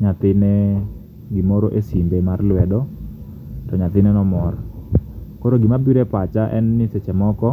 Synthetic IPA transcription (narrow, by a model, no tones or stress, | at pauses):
ɲat̪ɪne | ɡɪmoɾoʔesimbemarlwɛdɔ | tɔɲat̪ɪnɛnɔmɔr | koɾoɡɪmabiɾepat͡ʃaʔɛ̰nːɪset͡ʃɛmɔkɔ